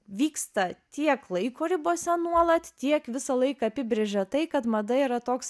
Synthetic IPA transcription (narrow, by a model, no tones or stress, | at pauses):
ʋʲiːkst̪ɐt̪ʲiɛklˠɐɪkoːɾʲɪboːsʲɛnuɔlˠɐt̪ʲt̪ʲiɛkʋʲɪsɐlˠɐɪkɐɐpʲɪbʲɾʲeʒʲɛt̪ɐɪkɐt̪mɐd̪ɐiːɾɐt̪oːks